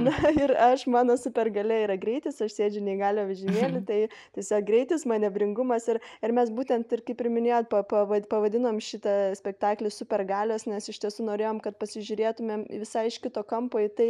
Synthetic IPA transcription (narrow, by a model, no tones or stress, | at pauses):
nʊɪrɐʃmɑːnoːsʊpʲɛrɡɐlʲɛiːɾɐɡɾʲɛɪt̪ʲɪsɐʃsʲeːd͡ʒʲʊnʲɛɪɡɑːlʲoːʋʲɪʒʲɪnʲeːlʲɪt̪ɐɪt̪ʲɛsʲoːk̚ɡɾʲɛɪt̪ʲɪsmɑːnʲɛbʲɾʲɪŋɡʊmɐsɪrɪrmʲɛsbuːt̪ʲɛnt̪ɪrkɐɪpʲɾʲɪmʲɪnʲeːjoːt̪̚pɐpɐʋɐpɐʋɐd̪ʲɪnoːmʃʲɪt̪ɐsʲpʲɛkt̪ɑːklʲɪsʊpʲɛrɡɑːlʲoːsnʲɛsɪʃt̪ʲiɛsuːnoːɾʲeːjoːmkɐt̪pɐsʲɪʒʲʊɾʲeːt̪ʊmʲeːmʋʲɪsɐɪɪʃʲkʲɪt̪oːkɐmpoːɪt̪ɐɪ